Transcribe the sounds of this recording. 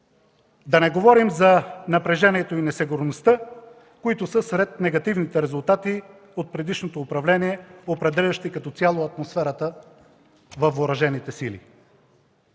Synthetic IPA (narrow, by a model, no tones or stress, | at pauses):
d̪ɐnɛɡovɔɾimzɐnɐpɾɛʒɛniɛt̪oinɛsɛɡʊɾnost̪ə | koit̪ʊsəsɾɛt̪̚nɛɡɐt̪ivnit̪ɛɾɛzʊlˠt̪at̪i | ot̪̚pɾɛd̪iʃnot̪oːpɾɐvlɛniɛopɾɛd̪ɛlʲɐʃt̪ikɐt̪ɔt̪sʲjalˠoɐt̪mosfɛɾət̪ə | vɐfoɾɐʒɛnit̪ɛsilḭ